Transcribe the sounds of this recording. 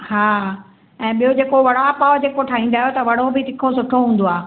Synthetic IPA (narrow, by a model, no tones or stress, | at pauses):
haː | ɛ̃ːɓijod͡ʑeːkoʋɐɽ̤apaːd͡ʑeːkoʈʰaːĩːn̆d̪aːɦjot̪ɐʋɐɽ̤obɪt̪ɪkʰosʊʈʰoɦũːn̆d̪oaː